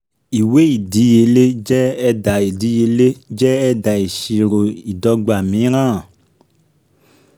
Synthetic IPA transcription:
i˨we˦i˦˨di˨˦je˨˦le˦d͡ʒɛ˦ɛ˦˧da˨e˨di˨˦je˧˦le˦d͡ʒɛ˦ɛ˧da˨i˨ʃi˨ɾo˨i˨dɔ˧ɡ͡ba˨mĩ˨˦ɾ̃ãː˦˨

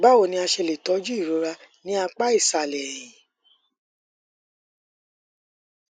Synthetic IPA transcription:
ba˦wo˧˨nĩ˧a˧ʃe˧le˨tɔ˨˦d͡ʒu˦i˦˨ɾo˨˦ɾa˧nĩ˨˦a˧k͡pa˦i˦˨sa˨lɛ˨jĩ˨

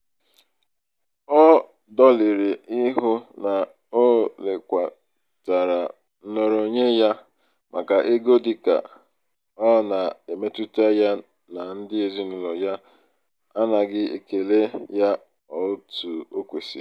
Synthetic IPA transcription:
ɔ˦ | dɔ˦lɪ˨ɾɪ˨i˦ɦʊ˦na˨ | o˦le˨kʷa˨ | ta˨ɾa˨ | n̩˦no˨ɾo˨ɲe˦ja˦ | mʔa̰˨ka˨ʔe˦ɡo˦di˦ka̰˨ | ɔ˦na˨e˨me˦tu˦ta˦ja˦ | na˨n̩˦dɪ˦e˨zi˦nu˨lo˨ja˦ | a˦na˨ɡɪ˦ḛ˨ke˨le˦ja˦ | ɔ˨o˦tu˨o˦kʷe˨sḭ˨

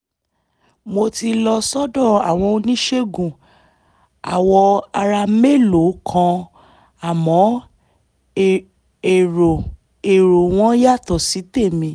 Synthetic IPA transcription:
mo˧ti˧lɔ˧sɔ˦dɔ̃˦˨a˨w̃ɔ̃˧o˧nĩ˦ʃe˦ɡũ˨ | a̰˨wɔ˧a˧ɾa˧me˦˨lo˨˦kʰã˧ | a˨mɔ̃˨˦ | e˨o˨ | e˨ɾo˨w̃ɔ̃˦ja˦˨tɔ˨si˨˦te˦˨mĩ˧˦

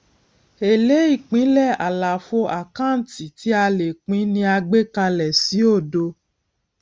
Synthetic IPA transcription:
e˨le˨˦i˦˨k͡pĩ˨˦lɛ˦˨a˨la˨fo˧ʔa˨kã˦˨n̩˦ti˨ti˨˦a˧le˨k͡pĩ˨˦nĩ˧a˧ɡ͡be˦ka˧lɛ˨si˨˦o˦˨do˧

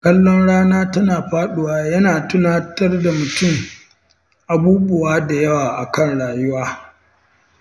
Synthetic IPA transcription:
kʼɐ˦lːɔ˦nɽaː˦naː˦tɐ˦naː˨ɸaː˦ɗʊ˦waː˦jɐ˦naː˨tʊ˦naː˦tɐ˦rda˨mʊ˨tʊ˦˨ŋ | ʔa˨buː˦bʊ˨waː˦da˨jɐ˦waː˨ʔa˨kɐ˦˨nɽaː˨jʊ˦waː˦

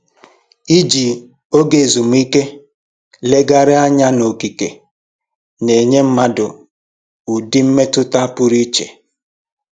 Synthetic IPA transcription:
i˦d͡ʒi˨ | o˦ɡe˨zu˨m̩˦i˦ke˦ | le˦ɡa˦ɾɪ˦a˦ɲa˦no˨ki˨ke˨ | ne˨ɲe˦m̩˦ma˦dʊ̰˨ | u˨di˦m̩˦me˦tʊ˦ta˦pʊ˦ɾi˦t͡ʃḛ˨

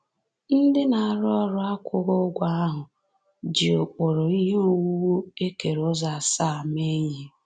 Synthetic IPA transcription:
n̩˦dɪ˦na˨a˨ɾɔ˦ɾʊ˦a˦kʷʰʊ˦ɣo˦ɡʷa˦a˦ɦʊ˨ | d͡ʒi˨o˨k͡po˨ɾo˨i˦ɦe˦u˦wu˦wu˦e˦ke˨ɾʊ˦za˨a˨sa˦a˨me˦ɲe˦

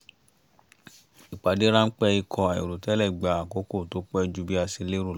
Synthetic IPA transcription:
i˨k͡pa˨˦de˦ɾã˦n̩˦k͡pɛ˦i˧kʰɔ̃˧a˨ḭ˨ɾu˨tɛ˦lɛ˦˨ɡ͡ba˨a˨ko˨˦ko˦˨to˨˦k͡pɛ˦˧d͡ʒu˧bi˦a˧si˧le˦ɾu˦˨˦

